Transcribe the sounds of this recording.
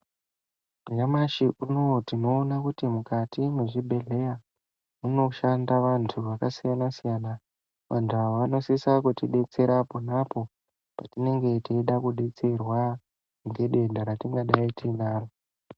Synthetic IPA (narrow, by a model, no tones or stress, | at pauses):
ŋamaʃiʔuno̞tino̞ːnakutimukatimweʐibʱe̞ɮe̞ja | muno̞ʃandaʋantʰuʋakasijanasijana | ʋantʰuaʋano̞sisakutiɗe̞t͡se̞ɾaponapo̞ | patine̞ŋɡe̞tiiɗakuɗe̞t͡se̞rwa | ŋɡe̞ɗe̞ndaɾatiŋɡaɗaitinaːro